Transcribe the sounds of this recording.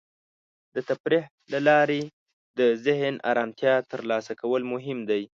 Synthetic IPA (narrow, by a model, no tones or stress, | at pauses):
d̪ət̪apɾih | lalɑɾe | d̪əzɪɦnɑ̰ɾɑmt̪jɑt̪əɾlɑsakawəlmʊɦɪmd̪aj